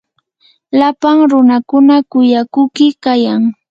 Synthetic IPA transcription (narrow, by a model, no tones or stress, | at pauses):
lapaŋɾʊnakʊnakʊjakʊkɪkajaŋ